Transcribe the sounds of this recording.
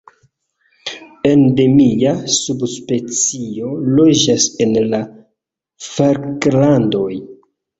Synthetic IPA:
ende̞miasubspe̞t͡sio̞lo̞d͡ʒase̞nla | faɾklando̞j

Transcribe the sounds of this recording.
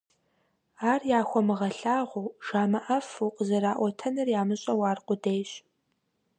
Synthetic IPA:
aːrjaːxʷɔmɨʁɐɬaːʁʷuːʒaːmɐʔɐfuːqʼəzɐɾaːʔʷɔtʰɐnɨrjaːmɨɕʼɐwaːrqʷʼʊdejɕ

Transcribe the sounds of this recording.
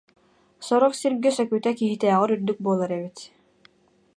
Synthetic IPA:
sɔɾɔχsiɾɡɛsœkyːt̪ækiɦit̪ɛɑʁɯɾyɾd̪yk̚buɔlˠaɾɛβit̪

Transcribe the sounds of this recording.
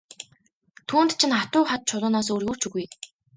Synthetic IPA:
t̪ʰuːnt̪t͡ɕʰĭnχat̪ʊːχat̪̚t͡ɕʰʊɮʊːnɔːs̬oːɾjuːr̥t͡ɕuɣuj

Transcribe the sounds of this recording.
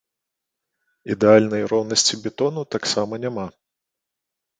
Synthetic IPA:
id̪ɛalʲnɐjrɔwnɐsʲt͡sʲibʲɛt̪ɔnut̪aksamɐnʲama

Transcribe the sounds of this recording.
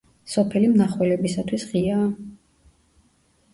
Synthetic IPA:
sɔpʰɛlimnaχwɛlɛbisat̪ʰwisʁiaː

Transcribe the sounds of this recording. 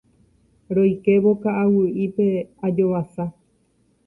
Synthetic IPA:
ɾo̞jke̞βo̞kaʔawɨʔipe̞ad͡ʒo̞ʋasa

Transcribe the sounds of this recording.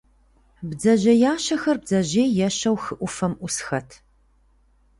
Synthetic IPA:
bzɐʑɐjaːʃɐxɐrb̚zɐʑeːjɛʃɐwxɨʔʷʊfɐmʔʷʊsxɐtʰ

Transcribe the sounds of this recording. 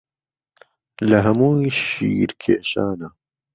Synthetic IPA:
lɐɦɐmuːjʃḭːɾkʰeːʃaːna

